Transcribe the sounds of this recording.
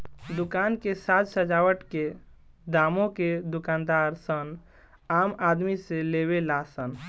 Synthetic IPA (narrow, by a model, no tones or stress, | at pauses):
d̪ukankesat̪səd͡ʒawəʈke | d̪amõked̪ukand̪aɾsən | amad̪miseleβelasən